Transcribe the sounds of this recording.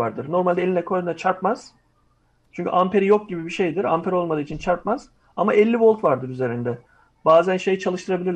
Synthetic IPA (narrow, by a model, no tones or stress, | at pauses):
aɾd̪ɯɾno̞ɾmalʲd̪ɛelʲinɛkʰojad̪inat͡ʃʰaɾpmaz̥ | t͡ʃʰyɲcʰy̰ʔampʰe̞ɾijok̚ɟibibiʃe̞jd̪iɾa̰mpʰeɾo̞lˠmad̪ɯːt͡ʃʰint͡ʃʰaɾp̚maz̥ | amaʔɛlʲːivo̞lˠt̪vaɾd̪ɯɾyze̞ɾind̪ɛ | baːzænʃe̞jit͡ʃʰalˠɯʃt̪ʰɯɾabilʲiɾ